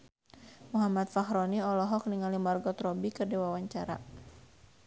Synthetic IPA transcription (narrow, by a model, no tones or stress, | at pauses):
muɦamat̪̚faxɾɔniɔlɔɦɔk̚niŋalimarɡɔt̪ɾɔbikərdiwawaɲt͡ʃaɾa̰